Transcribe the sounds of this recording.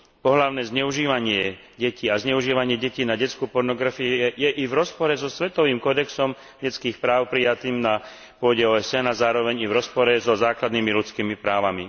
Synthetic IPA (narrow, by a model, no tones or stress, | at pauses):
pɔɦlaʊnɛːzɲɛuʒiːʋaɲɪɛ | ɟɛciːazɲɛuʒiːʋaɲɪɛɟɛciːnaɟɛt͡skuːpɔɾnɔɡɾafiuɛjɛʔivɾɔspɔɾɛzɔsʋɛt̪ɔʋiːmkɔd̪ɛksɔm | ɟɛt͡skiːxpɾaːʊpɾijat̪iːmna | pʊɔɟɛɔːɛsɛnazaːɾɔʋɛɲivɾɔspɔɾɛzɔzaːklad̪nimilut͡skiːmipɾaːʋami